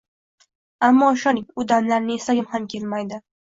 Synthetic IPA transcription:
amːɒʃɒnɪŋʲʊd̪amlaɾnɪe̞saɡʲɪmhamkʲʰe̞lmajd̪ɪ

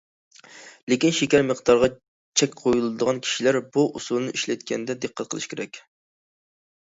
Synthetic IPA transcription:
lɪkʲinʃekʲæɾməqd̪ɑɾʁɑ | t͡ʃʰɛkʲqʰojulˠɨd̪əʁɑnkʲʰi̥ʃilæɾbuʔusulˠɨnɨʔiʃlɛt̪̚kʲɛnd̪ɛd̪eqʰːæt̪̚qʰəlˠɨʃkʲʰḛɾɛkʲ

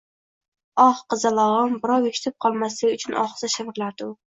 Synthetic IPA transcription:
ɒχqɨzalˠɒʁɨmbɪɾɒwekʰʲɪ̥t̪ʰɪp̚qʰɒlˠmaslɪʊt͡ʃʰʊnʔɒ̰χsaʃɪvɪɾlaɾd̪ʊ

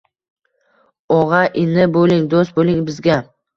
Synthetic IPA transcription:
ɒʁɑʔɪnɪbolɪŋd̪ost̪̚bolɪŋbɪzɡʲa

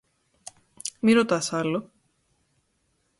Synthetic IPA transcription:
miɾot̪ɐsɐlo

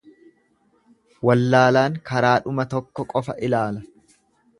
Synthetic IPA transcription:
wɐlːaːlaːŋkɐɾaːᶑʊmɐt̪ɔkːɔkʼɔfɐʔɪlaːlɐ

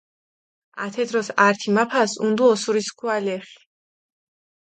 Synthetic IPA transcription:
a̰t̪ʰɛd̪ɾɔsaɾt̪ʰimapʰasund̪uɔsuɾiskʰualɛχi̥

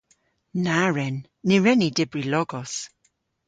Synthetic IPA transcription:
naɹɛnː | iɹɛnidɪbrilɔɡɔs

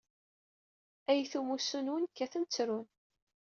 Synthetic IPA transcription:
æjθumusunwənkːæθənt͡sːɾun

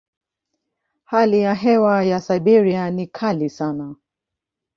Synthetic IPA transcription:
halijaɦɛwajasajɓiɾianikʰalisana

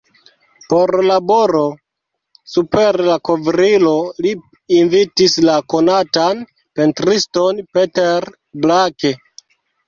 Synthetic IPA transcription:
po̞ɾlaboɾo̞ | supe̞ɾlakovɾilo̞liː | nvitislako̞natan | pentɾisto̞npeteɾ | blake

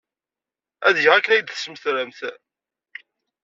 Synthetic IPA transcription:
æðjəʁækːənæjəd̪θə̥sməθɾəmθ

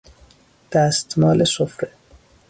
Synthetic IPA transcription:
d̪̥æst̪mɒːlesofɾe

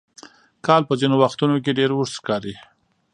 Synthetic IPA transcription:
kɑlpəzinowaxt̪unokeɖeɾʊɾskɑɾi

